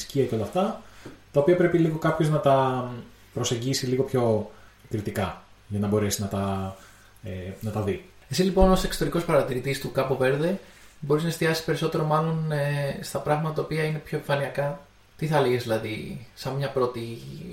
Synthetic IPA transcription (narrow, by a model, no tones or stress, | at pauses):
sciɐceo̞lɐft̪ɐt̪ɐo̞piɐpɾe̞piliɣo̞kɐpço̞znɐt̪ɐ | pɾo̞se̞ɲɟisiliɣo̞pço̞ | kɾit̪ikɐ | ʝɐnɐbo̞ɾe̞siznɐt̪ɐ | enɐt̪ɐði | e̞sizlipo̞nose̞kso̥t̪eɾiko̞spɐɾɐt̪iɾit̪ist̪ukɐpove̞ɾðe̞bo̞ɾiznɐe̞st̪iɐsi̥spe̞ɾiso̞t̪e̞ɾo̞mɐlo̞nest̪ɐpɾɐɣmɐt̪ɐt̪ɐopiɐine̞pço̞eɱfɐniɐkɐ | t̪iθɐliʝezðilɐðisɐmmɲɐpɾo̞t̪i